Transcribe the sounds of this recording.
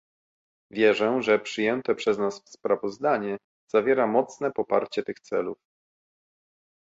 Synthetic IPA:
vʲjɛʐɛʐɛpʂɘjɛnt̪ɛpʂɛznasfspɾavɔzd̪aɲɛ | z̥avʲjɛɾamɔt̪snɛpɔpa̰ɾt͡ɕɛt̪ɘxt̪sɛluf

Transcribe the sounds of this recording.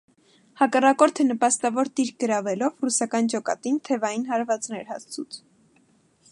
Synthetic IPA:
hɑkɑrɑkɔɾt̪ʰənəpɑst̪ɑvɔɾt̪iɾɡəɾɑvɛlɔvrusɑkɑnd͡ʒɔkɑ̰t̪int̪ʰɛvɑjinɦɑɾvɑt͡snɛɾhɑ̰st͡sʰut͡s̪ʰ

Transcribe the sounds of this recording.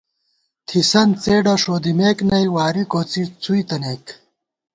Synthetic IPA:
t̪ʰisɐnt͡seːɖɐʂoːd̪imeːknɐjwaːɾikoːt͡sit͡sujt̪ɐneːk

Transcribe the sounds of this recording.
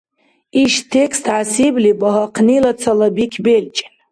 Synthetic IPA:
iʃtʰekʰst̪ʰʕasiblibaɦaqʰnilat͡sʰalabikʲʰbelt͡ʃʼan

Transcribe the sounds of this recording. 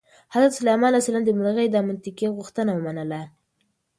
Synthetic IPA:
hazɾat̪salajmɑnasaland̪əmʊlɣəjd̪ɑmant̪ɪkeɣuxt̪ənawəmanəla

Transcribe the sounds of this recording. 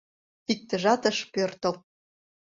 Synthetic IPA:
ik̚t̪ə̆ʒɑt̪ə̆ʃpørt̪ɤ̆l

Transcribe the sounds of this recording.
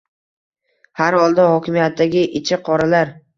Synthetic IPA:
haɾhɒlˠd̪ahɒkʲɪmijat̪ʰːaɡʲɪʔɪt͡ʃʰɪqʰɒɾalaɾ

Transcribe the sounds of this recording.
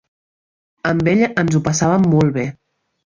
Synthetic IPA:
əmbeʎənzupəsaβəmːɔlˠβe

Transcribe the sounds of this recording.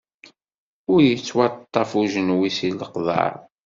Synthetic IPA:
ʊɾjət͡sːwɑt̪ˤːɑfuʒənwisiləqðˤɑ̰ɾ

